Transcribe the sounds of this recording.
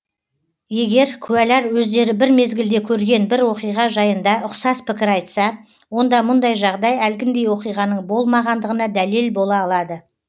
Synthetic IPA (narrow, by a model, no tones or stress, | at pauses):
je̞ɡʲe̞ɾkʲʰʉælæɾwɵzd̪e̞ɾɪbɪɾme̞zɡʲɪld̪e̞kʲʰɵɾɡʲe̞nbɪɾwo̞qijʁɑʒɑjənd̪ɑʔʊqsɑspɪkʲɪɾɑjt̪sɑ | wo̞nd̪ɑmʊnd̪ɑjʒɑʁd̪ɑjælɡʲɪnd̪e̞jwo̞qijʁɑnəɴbo̞lˠmɑʁɑnd̪əʁənɑd̪æle̞lbo̞lˠɑːlˠɑd̪ə